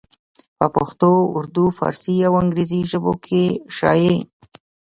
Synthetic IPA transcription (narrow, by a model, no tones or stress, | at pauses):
pəpʊxt̪oʊ̰ɾd̪ufɑ̰ɾsiawaŋɡɾeziʒəbo̰kʰeʃɑ̰je